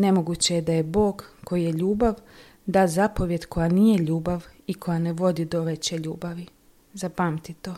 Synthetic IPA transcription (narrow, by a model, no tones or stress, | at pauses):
ne̞mo̞ɡut͡ɕe̞jed̪ajebo̞ːɡko̞jije̞ʎuːbaʋ | d̪aːzapo̞ʋje̞d̪kʰo̞janiːje̞ʎuːbaʋikʰo̞jane̞ʋo̞d̪id̪oʋe̞t͡ɕe̞ʎṵːbaʋi | zapamt̪it̪o